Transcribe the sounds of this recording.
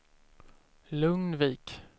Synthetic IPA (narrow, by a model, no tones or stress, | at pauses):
lɵŋnviːk